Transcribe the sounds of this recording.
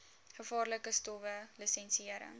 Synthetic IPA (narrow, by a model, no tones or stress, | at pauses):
χəfɑːrləkəstɔvəlisɛnsiəɾə̰ŋ